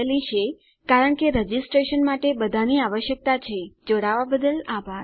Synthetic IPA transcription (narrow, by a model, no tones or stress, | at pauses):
lit͡ʃʰe | kaɾəɳkeɾəd͡ʒisʈɾeʃənmaʈebəd̪ʱaniaʋəʃjək̚t̪at͡ʃʰed͡ʒoɽaʋabəd̪əlabʱaɾ